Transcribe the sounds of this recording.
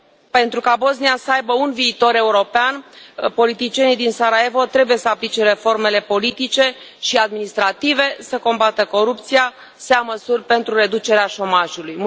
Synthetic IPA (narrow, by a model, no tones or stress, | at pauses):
pe̞nt̪ɾukabo̞zniasəajbəunviːt̪o̞ɾe̞uɾo̞peanpo̞lit̪it͡ʃienid̪insaɾae̞vo̞t̪ɾe̞buje̞səaplit͡ʃe̞ɾe̞fo̞rme̞le̞polit̪it͡ʃe̞ | ʃiad̪minist̪ɾat̪ive̞səko̞mbat̪əko̞ɾup̚t̪sija | səjaməsurʲpe̞nt̪ɾuɾe̞d̪ut͡ʃe̞ɾeaʃo̞maʒulujm